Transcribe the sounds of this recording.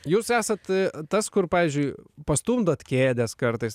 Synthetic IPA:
juːsæːsɐt̪t̪ɐskʊrpɑːʋʲiːzʲd͡ʒʲʊɪpɐst̪uːmd̪ɐt̪kʲeːd̪ʲɛskɐrt̪ɐɪs

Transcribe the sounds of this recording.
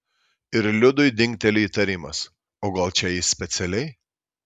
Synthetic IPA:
ɪɾlʲʊd̪ʊɪd̪ʲɪ̃ŋʲkʲt̪ʲɛlʲʊiːt̪ɐɾʲiːmɐs | oːɡɐlˠt͡ʃʲɛjisʲpʲɛt̪sʲɛlʲɛɪ

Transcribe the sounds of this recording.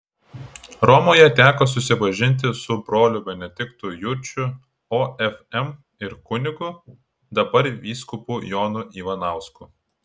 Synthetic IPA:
ɾɔmoːjɛt̪ʲæːkoːsʊsʲɪpɐʒʲɪnʲt̪ʲɪsʊbɾoːlʲʊbʲɛnʲɛd̪ʲɪkt̪ʊjʊɾʲt͡ʃʲʊ | oːɛfɛm | ɪɾkʊnʲɪɡʊ | d̪ɐbɐɾʋʲiːskʊpuːjoːnʊʔiːʋɐnɑˑʊskʊ

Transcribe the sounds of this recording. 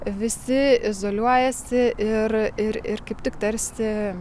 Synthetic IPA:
ʋʲɪsʲɪɪzoːlʲuɔjɛsʲɪʔɪrɪɾɪrkɐɪpʲt̪ʲɪkt̪ɐɾʲsʲɪ

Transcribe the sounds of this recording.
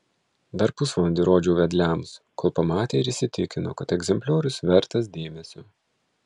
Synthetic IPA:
d̪ɐɾpʊsʋɐnʲd̪ʲɪɾoːd͡ʒʲuʊʋʲɛd̪ʲlʲæmskoːlˠpɐmɑːt̪ʲeːɪɾɪʃsʲɪt̪ʲɪkʲɪno̰ːkɐt̪ɛɡzʲɛmʲpʲlʲoːɾʊsʋʲɛɾt̪ɐs̬d̪ʲeːmʲɛsʲuː

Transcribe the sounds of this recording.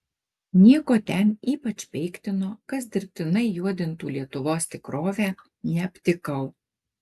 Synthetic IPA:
nʲiɛkoːt̪ʲɛniːpɐt͡ʃʲpʲɛɪkt̪ʲɪnoːkɐs̬d̪ʲɪɾʲp̚ʲt̪ʲɪnɐɪjuɔd̪ʲɪnt̪uːlʲiɛt̪ʊʋoːst̪ʲɪkɾoːʋʲæː | nʲɛɐpʲt̪ʲɪkɐʊ

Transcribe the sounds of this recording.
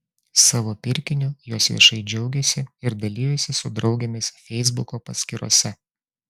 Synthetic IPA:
sɑːʋoːpʲɪɾʲkʲɪnʲʊjuːsʋʲḭɛʃɐɪd͡ʒʲɛʊɡʲɛsʲɪɪɾd̪ɐlʲiːjɛsʲɪsʊd̪ɾɒʊɡʲɛmʲɛsfʲɛɪzbʊkoːpɐsʲkʲɪɾo̰ɔsʲɛ

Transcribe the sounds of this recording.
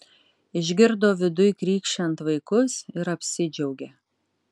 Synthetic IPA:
ɪʒʲɡʲɪɾd̪oːʋʲɪd̪ʊjkɾʲiːkʃʲt͡ʃʲɛnt̪ʋɐɪkʊsɪɾɐpʲsʲɪd͡ʒʲɛʊɡʲeː

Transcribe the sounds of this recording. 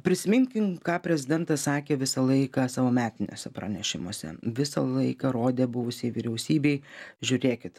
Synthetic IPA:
pʲɾʲɪsʲɪmʲɪŋʲkʲɪnkɑːpʲɾʲɛzʲɪd̪ʲɛnt̪ɐssɑːkʲeːʋʲɪsɐlˠɐɪkɐsɑːʋoːmʲæːt̪ʲɪnʲoːsʲɛpɾɐ̰nʲɛʃʲɪ̰mo̰ːsʲɛ̰ʋʲɪsɐ̰lˠɐɪkɐɾoːd̪ʲeːbʊʋʊsʲiʋʲiɾʲɛʊsʲiːbʲɛɪʒʲʊɾʲeːkʲɪt̪

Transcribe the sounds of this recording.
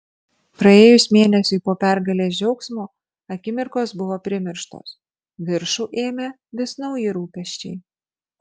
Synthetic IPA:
pɾɐeːjʊsʲmʲeːnʲɛsʲʊɪpoːpʲæɾɡɐlʲeːsd͡ʒʲɛʊksmoː | ɐkʲɪmʲɪɾkoːsbʊʋoːpʲɾʲɪmʲɪɾʃt̪o̰ːs | ʋʲɪɾʃuːʔeːmʲe | ʋʲɪsnɒʊjɪɾuːpʲɛʃʲt͡ʃʲɛɪ

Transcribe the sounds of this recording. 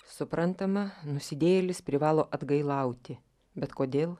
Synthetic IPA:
sʊpɾɐnt̪ɐmɐnʊsʲɪd̪ʲeːjɛlʲɪspʲɾʲɪʋɑːlˠoːʔɐd̪ɡɐɪlˠɐʊt̪ʲɪ | bʲɛt̪koːd̪ʲeːlˠ

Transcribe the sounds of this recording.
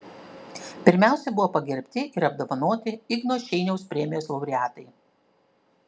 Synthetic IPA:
pʲɪɾʲmʲæˑʊsʲɛbʊʋoːpɐɡʲɛɾʲpʲt̪ʲɪʔɪɾɐb̚d̪oːʋɐnoːt̪ʲɪɪɡnoːʃʲɛɪnʲɛʊspʲɾʲɛmʲɪjoːslˠɐʊɾʲɪæːt̪ɐɪ

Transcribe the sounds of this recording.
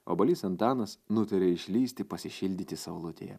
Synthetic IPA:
o̰ːbɐlʲiːsɐnt̪ɑːnɐsnʊt̪ɐɾʲeːɪʃʲlʲiːsʲt̪ʲɪpɐsʲɪʃʲɪlʲd̪ʲiːt̪ʲɪsɐʊlˠʊt̪ʲḛjɛ̰

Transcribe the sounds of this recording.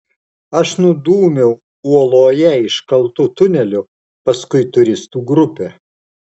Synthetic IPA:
ɐʃnʊd̪uːmʲɛʊ | uɔlˠoːjɛɪʃkɐlˠt̪ʊt̪ʊnʲɛlʲʊ | pɐskʊɪt̪ʊɾʲɪst̪uːɡɾʊpʲɛ

